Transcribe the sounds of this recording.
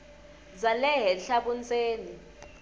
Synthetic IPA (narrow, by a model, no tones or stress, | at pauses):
zalɛɦɛɬaɓunt͡sʼeːni